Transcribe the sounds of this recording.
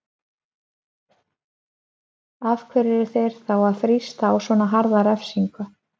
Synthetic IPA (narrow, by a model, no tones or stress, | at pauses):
að̥kʰvɛɾɪɾɪθejɾ̥θawaðfɾist̪aːwsvɔːnaɦaɾðaɾɛfsiŋkʏ